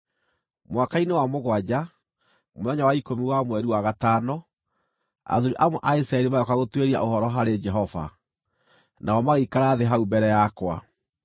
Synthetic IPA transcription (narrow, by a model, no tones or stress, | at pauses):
mwakainewamoɣwad͡ʑa | moðaɲawaikomiwamwɛɾiwaɣataːnɔ | a̰ðuɾiʔamɔʔaisɾaɛɾimajɔkaɣotweɾia̰ʔohɔɾɔɦaɾed͡ʒɛɦɔva̰ | naɔmaɣikaɾaðeɦaubɛɾɛjakwa̰